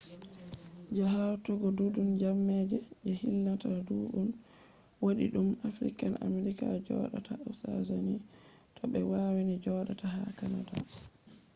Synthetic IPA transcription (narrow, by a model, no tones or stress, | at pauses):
d͡ʒaɦawtɔɡɔdudund͡ʒamːɛd͡ʒɛɓɛhilːataduɗun | woɗḭɗumafɾḭkana̰meɾikad͡ʒɔ̰ːɗatʰaawsazani | tɔɓɛwawinid͡ʒɔɗataɦakanada